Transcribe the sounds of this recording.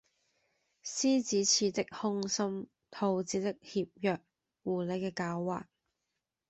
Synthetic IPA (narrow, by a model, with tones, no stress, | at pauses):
siː˥t͡siː˨˥t͡sʰiː˨˧t̪ɪ˥k̚hʊ˥ŋsɐ˥m | t̪ʰo˧wt͡siː˨˥t̪ɪ˥k̚hiː˧p̚jœː˨k̚ | wuː˨˩le˨˧jkɛː˧kaː˨˧˥wːa̰ː˨k̚